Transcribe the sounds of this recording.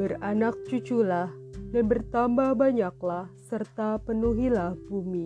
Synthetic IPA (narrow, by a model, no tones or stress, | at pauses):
bəranak̚t͡ʃut͡ʃulahdanbərt̪ambahbaɲak̚lahsərt̪apənuɦilahbumi